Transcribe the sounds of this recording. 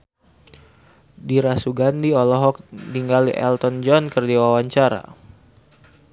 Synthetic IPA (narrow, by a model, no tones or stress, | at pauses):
diɾasuɡandiɔlɔɦɔk̚diŋɡaliʔɛ̰lt̪ɔnd͡ʒɔnkərdiwawaɲt͡ʃaɾa̰